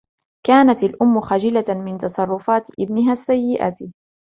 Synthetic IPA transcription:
kaːnat̪alʔʊmːʊxaːd͡ʒɪlamɪnt̪ɑsˤɑrˤːʊfaːt̪ʔɪbnɪɦaːsːajːɪʔa̰t̪

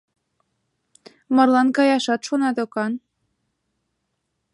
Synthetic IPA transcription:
mɑrlˠɑnkɑjɑʃɑt̪ʃonɑd̪okɑn

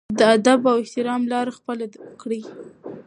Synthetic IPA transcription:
d̪əad̪abawɪht̪ɪɾɑmlɑɾexpəlakɽi

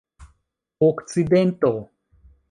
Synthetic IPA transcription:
okt͡sid̪ent̪o

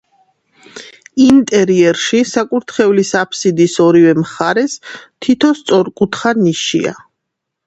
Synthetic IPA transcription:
int̪ʼɛɾiɛɾʃisakʼuɾt̪ʰχɛvlisapʰsid̪isɔɾivɛmχaɾɛst̪ʰit̪ʰɔst̪sʼɔɾkʼut̪ʰχaniʃḭa̰

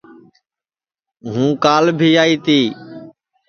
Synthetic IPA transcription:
ɦũːkaːlbʱiːaːiːt̪iː

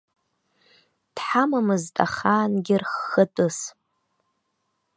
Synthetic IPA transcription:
d̥ħamamɨztʼa̰χaːnɡʲɪrχːətʼɨs

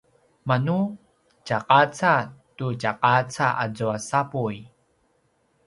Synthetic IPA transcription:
manu | t͡ʃaqat͡satut͡ʃaqat͡saʔad͡zuasapuj

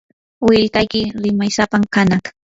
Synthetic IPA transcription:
wɪʎkajkɪɾɪmajsapamkanat̪ḁ

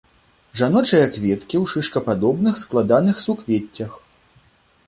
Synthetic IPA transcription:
ʐanɔt͡ʂɐjɐkvʲɛt̪kʲiwʂɨʂkɐpad̪ɔbnɨxsklˠad̪anɨxsukvʲɛtʲːɐx

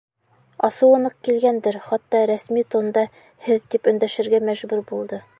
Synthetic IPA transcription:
ɒsɤwɤ̆nɤq̚kilɡænd̪ɘɾχɑt̪ːɑɾæsmit̪ŏnd̪ɑ | hɘðt̪ipɵ̆nd̪æʃɘ̆ɾɡæmæʒbʉɾbulˠd̪ɤ

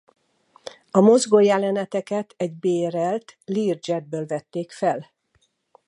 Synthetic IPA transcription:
ɒmo̞zɡojɛlɛnɛt̪ɛkɛt̪ɛɟbeːɾɛlt̪liːrd͡ʒɛd̪̚bøːlvɛt̪ːeːkfɛl

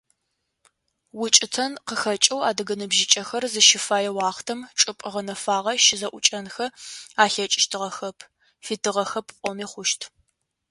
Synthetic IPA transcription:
wʊt͡ʃʼɪtʰɐnqəxɐt͡ʃʼɐwaːdɨɡɐnɨbʒɪt͡ʃʼɐxɐrzɨʃɪfaːjɛwɑːχtʰɐmʈ͡ʂʼɨpʼəʁɐnɐfaːʁɐʃɪzɐʔʷʊt͡ʃʼɐnxɐaːɬɐt͡ʃʼɪ̥ʃtʰɨʁɐxɐpʰ | fitʰɨʁɐxɐpʰqʷʼɔmiːχʷʊʃtʰ

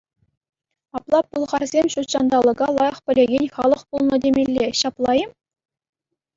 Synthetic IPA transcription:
ɑplˠɑpulˠʁɑrzʲemʲɕut̪ɕɑnd̪ɑlˠɤ̆ɡɑlˠɑjɑ̆χpʲɘ̆lʲeɡʲenʲχɑlˠɤ̆χpulˠnɤ̆dʲemʲelʲːeɕɑplˠɑjɘ̆m

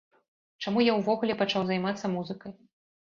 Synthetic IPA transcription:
t͡ʂamujawvɔɣulʲɛpat͡ʂawzajmat̪sːɐmuzɨkɐj

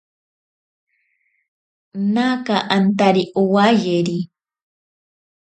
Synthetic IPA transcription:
nakaʔant̪aɾiʔuwajeɾi

